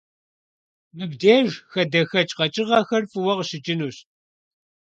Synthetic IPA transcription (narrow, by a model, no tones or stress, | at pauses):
mɨbdeːʒxɐdɐxɐt͡ʃʼqɐt͡ʃʼɪʁɐxɐrfɨwɐʁɕɪt͡ʃʼɪnuːɕ